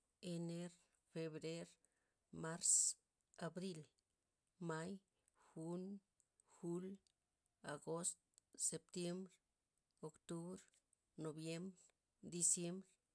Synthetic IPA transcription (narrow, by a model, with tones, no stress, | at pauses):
e˧ne˦ɾ | fe˧βɾe˦ɾ | ma˦ɾs | a˨bɾi˦l | ma˦j | xu˦n | xu˦l | aɡo˦st̪se˨p̚t̪je˦mbɾ | o˨kt̪u˦βɾ | no˨bje˦mbɾ | d̪i˧sje˦mbɾ